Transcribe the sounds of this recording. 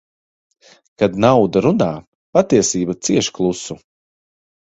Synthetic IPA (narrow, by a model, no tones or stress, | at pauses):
kad̪nawd̪aɾunaː | pat̪iɛsiːbat̪siɛʃklˠusu